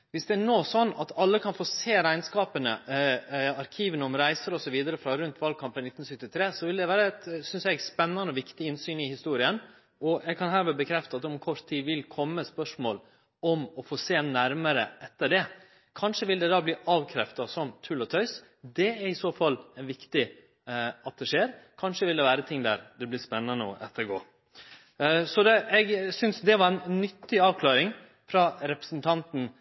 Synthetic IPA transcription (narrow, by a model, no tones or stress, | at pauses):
ʋɪsd̪ɛæɳoːsɔnːɑt̪ɑlːəkʰɑnfoːseːɾæɪnskɑːpənə̰ | ɑɾkʰiːʋənəɔmɾæɪsəɾɔsɔʋiːd̪əɾəfɾɑɾʉnt̪ʰʋɑːlkʰɑmpənɪt̪ːn̩sʏkt̪ːɪt̪ʰɾeːsɔʋɪld̪ɛʋæːɾəɛt̪sʏnsɛɡspɛnːɑnəɔʋɪkt̪ɪɪnsyːnɪhɪst̪uːɾɪən | ɔɛɡkʰɑnɦæːɾʋɛbəkʰɾɛft̪ɑt̪ɔmkʰɔʂt̪t̪ʰiːʋɪlkʰɔmːəspœʂmo̰ːl | ɔmɔfoːseːnæɾməɾə̰ɛt̪ːəɖɛ | kʰɑnʂəʋɪld̪ɛd̪ɑːbliːʔɑːʋkʰɾɛft̪ɑsɔmt̪ʰʉːlɔt̪ʰœʏs | d̪ɛæɾɪsoːfɑlːɛnʋɪkt̪ɪ | ɑt̪̚d̪ɛʂeːɾkʰɑnʂəʋɪld̪ɛʋæːɾət̪ʰɪŋːd̪æɾd̪ɛblɪspɛnːɑnəɔ̰ʔɛt̪ʰːəɾɡo̰ː | sɔd̪ɛɛɡsʏnsd̪ɛʋɑɾɛnnːʏt̪ːɪɑːʋkʰlɑːɾɪŋ | fɾɑɾɛpɾə̥snt̪ʰɑnt̪n̩